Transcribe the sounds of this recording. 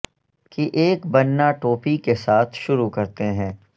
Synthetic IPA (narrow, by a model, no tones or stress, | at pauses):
kiʔeːkbɐnːaʈoːpikesaːt̪ʰʃʊɾukɐɾt̪eɦɛ̃ː